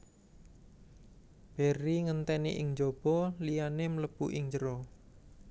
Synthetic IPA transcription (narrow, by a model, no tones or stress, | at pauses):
b̥e̤ɾiŋənt̪ɛnḛʔɪŋd͡ʒob̥ɔ̤lijanemələb̥uʔɪŋd͡ʒəɾɔ